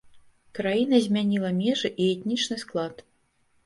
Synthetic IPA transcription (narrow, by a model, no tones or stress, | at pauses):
kɾajinɐzʲmʲanʲilˠɐmʲɛʐɨʔiɛt̪ʲnʲit͡ʂnɨsklˠat̪